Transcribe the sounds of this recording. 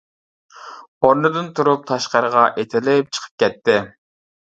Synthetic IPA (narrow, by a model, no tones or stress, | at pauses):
oɾnɨd̪ɨnt̪ʰuɾup̚t̪ʰɑʃqɑɾəʁɑʔet̪ʰɪlɪp̚t͡ʃʰə̥qʰə̥p̚kʲɛt̪ːɪ